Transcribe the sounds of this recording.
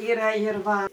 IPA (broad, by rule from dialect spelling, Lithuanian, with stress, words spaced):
ˈiːrɐ ɪr ˈʋɐ